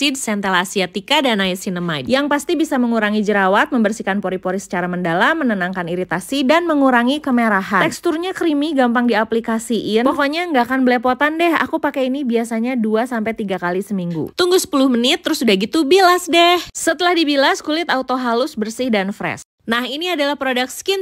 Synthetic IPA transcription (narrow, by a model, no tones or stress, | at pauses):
id̚sɛnt̪ɛlasiat̪ikadanaisinəmadjaŋpast̪ibisaməŋuɾaŋid͡ʒəɾawat̪̚məmbərsikanpoɾipoɾisə̥t͡ʃaɾaməndalamːənənaŋkaniɾit̪asidanməŋuɾaŋikəmeɾaɦat̪ɛkst̪urɲakɾimiɡampaŋdiaplikasiʔɪnpokoɲaəŋɡakanbəlɛpot̪andɛha̰kupakɛinibiasaɲaduasampɛjt̪iɡakalisəmiŋɡṵt̪uŋɡusə̥pulʊhmənɪt̪ːəɾʊsudahɡit̪ubilasdɛhsət̪əlahdibilaskulɪt̪aut̪oɦalʊsbərsɪhdanfɾɛ̰s̚ | nahiniadalahpɾodak̪̚skɪn